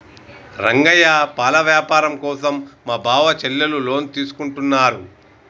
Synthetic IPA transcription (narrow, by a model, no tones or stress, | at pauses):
ɾɐŋɡɐjɐpaːlɐʋjaːpaːɾɐmkɔːsɐmːaːbʱaːʋɐt͡ʃɛlːɐlulo̞ːnt̪iːsu̥kuɳʈunːaːɾu